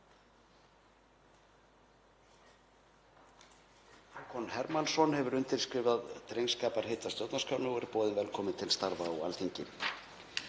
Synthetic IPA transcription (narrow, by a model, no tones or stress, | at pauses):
akʰɔnhɛɾmansɔnhɛvʏɾʏnt̪ɪlskɾɪːvaðt̪ɾejnskaːpaɾ̥heːt̪ḁsjɔwt̪naskʰaːwnʏɔɛɾpɔːðɪnvɛlkʰɔːmɪnt̪ʰɪlst̪aɾvaɔa̰lθiɲcɪ